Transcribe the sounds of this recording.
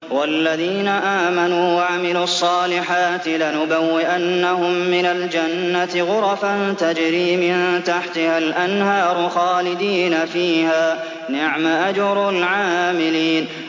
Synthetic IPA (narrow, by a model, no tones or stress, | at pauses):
walːaðiːnaʔaːmanuːwaʕamɪluːɑsˤːɑːlɪħaːt̪ɪlanʊbawːɪʔanːahʊmːɪnald͡ʒanːat̪ɪɣʊɾˤɑfant̪ad͡ʒɾiːmɪnt̪aħt̪ɪhalʔanhɑːɾˤʊxɑːlɪd̪iːnafiːhaː | nɪʕmaʔad͡ʒɾˤʊlʕaːmɪliːn